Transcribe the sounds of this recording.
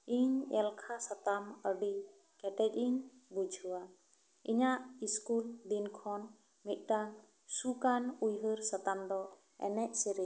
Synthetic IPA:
iɲɛlkʰasat̪aməɖi | kɛʈɛc̚iɲbud͡ʒʱuwa | iɲaʔiskuld̪inkʰɔn | mit̪̚ˀɖaŋ | sukanujɦəɾsat̪amd̪ɔ | ɛ̰nɛʔsiɾi

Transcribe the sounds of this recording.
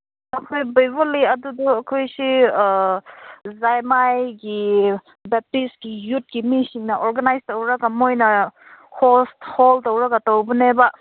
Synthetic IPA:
ɐkʰojbajboliɐdudɔɐkʰojsi | zajmajɡi | bep̚tisɡijut̚ɡimisiŋnɐʔoɾɡanajstowɾaɡamojnɐ | hʰostholtowɾaɡatowbuneba

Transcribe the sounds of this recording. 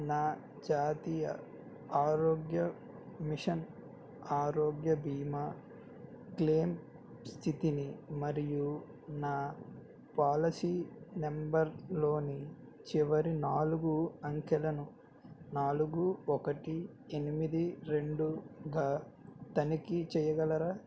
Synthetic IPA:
naː | d͡ʒaːt̪ijɐ̰ | aːɾoːɡjɐ | miʂɐn | aːɾoːɡjɐbiːma | kleːm | st̪ʰit̪inimɐɾiju | naː | paːlɐsiːnembɐɾlo̞ːni | t͡ʃiʋɐɾinaːluɡuɐŋkɛlɐnu | naːluɡuɔkɐʈi | e̞nimid̪iɾe̞ɳɖuɡaːt̪ɐnikit͡ʃɛjɐɡɐlɐɾaː

